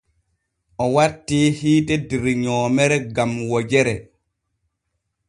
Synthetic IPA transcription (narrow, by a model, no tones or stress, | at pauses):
ʔɔwatːiːhiːtɛdiɾɲɔːmɛɾɛɡamwɔd͡ʒɛɾɛ